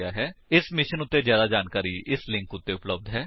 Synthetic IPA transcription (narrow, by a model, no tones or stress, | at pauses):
aːɦɛːɪsmɪʃənʊt̪ːeːzjaːd̪aːd͡ʒaːnkaːɾiːɪslɪ̃ŋkʊt̪ːeʊpləb̚d̪ɦɛː